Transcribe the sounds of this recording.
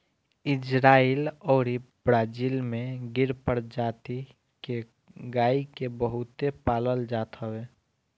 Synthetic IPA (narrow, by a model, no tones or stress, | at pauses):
ɪd͡ʒɾaːilɔːɾibɾaːd͡ʒiːlmẽɡɪɾpəɾd͡ʒaːt̪i | ke | ɡaːikebəɦʊt̪epaːləld͡ʒaːt̪ɦəweː